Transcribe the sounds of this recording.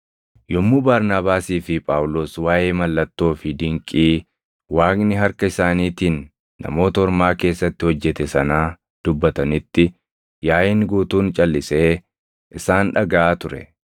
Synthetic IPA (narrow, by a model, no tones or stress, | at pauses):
jɔmːuːbaɾnaːbaːsiːfɪpʼaːwlo̞ːswaːjeːmɐlːɐt̪ːo̞ːfɪd̪ɪŋkʼiː | waːknɪɦɐɾkɐɪsaːniːt̪iːnː | ɐ̰mo̞ːt̪ɐɔɾmaːke̞ːsːɐt̪ːɪhɔd͡ʒːɛt̪ɛsɐnaː | d̪̥ʊbːɐt̪ɐnɪt̪ːɪ | jaːjɪŋɡuːt̪uːnt͡ʃʼɐlːɪse̞ː | ʔɪsaːnᶑɐɡɐʔaːt̪ʊɾɛ̰